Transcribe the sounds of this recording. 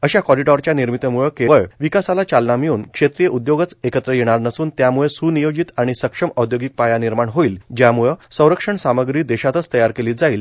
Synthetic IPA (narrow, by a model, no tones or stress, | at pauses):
əɕakɔɾiʈɔɾt͡ɕjaniɾmit̪əmuɭəkeʋəɭʋikasalat͡ɕalnamiuːnkʂet̪ɾijəʔud̪joɡət͡sekət̪ɾəjeɽ̃aɾnəsuːnt̪jamuɭesunijod͡ʑit̪aɽ̃isəkʂəməd̪joɡik̚pajaniɾmaɳɦoiːld͡ʑjamuɭəsə̃w̃ɾəkʂəɳsaməɡɾiːd̪eɕat̪ət͡st̪əjaɾkeliːd͡zaiːl